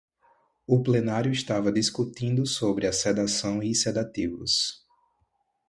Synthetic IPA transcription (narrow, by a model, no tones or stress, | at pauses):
ʊplenaɾjʊɪst̪avɐd̪iskut̪ĩnd̪ʊsobɾɪɐsed̪asɐ̃w̃ised̪at̪ivʊ̰s